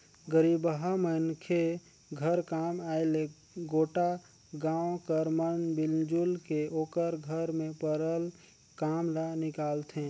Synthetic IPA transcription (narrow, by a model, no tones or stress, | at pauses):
ɡəɾibɦəmənkʰe | ɡʱəɾkamaɪle | ɡoːʈa | ɡãwkəɾmənbild͡ʒulkeoːkəɾɡʱəɾmẽpəɾəl | kamlanɪkaːlt̪ʰẽ